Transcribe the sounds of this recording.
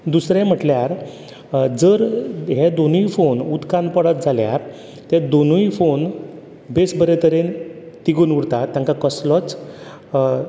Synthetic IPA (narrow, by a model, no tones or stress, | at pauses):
d̪usɾjãm̤əʈljaɾ | d͡zəɾɦed̪onuifonud̪kãnpəɽət̪̚d͡zʱalja̰ɾ | t̪ẽd̪onujfon | besbəɾet̪əɾen | t̪iɡuːnuɽt̪at̪ːjãŋkakəslɔt͡s